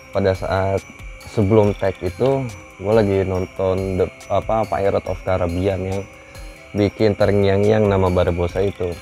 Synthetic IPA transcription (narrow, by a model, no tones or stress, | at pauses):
padasa̰ʔat̪̚səbəlʊmt̪ɛkit̪u | ɡualaɡinɔnt̪ɔndə | apapa̰ʔiɾɔt̪ɔ̰fkaɾabianjaŋ | bikɪnt̪əɾəŋijaŋjaŋnamabaɾabosait̪u